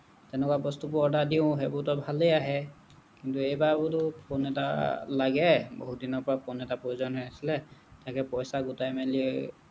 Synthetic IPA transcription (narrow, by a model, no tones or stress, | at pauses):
tɛnɛkwabɔstup̬ɔdadiʊ̃ɦebʊtɔbʱalejaɦɛ | kintuejbabʊtʊpʰonɛta̰laɡɛbo̰ɦudinɔɹpɔɹapɔnɛtapɹojuzɔnɦɔasilɛtakɛpɔjsaɡutajmɛliɛ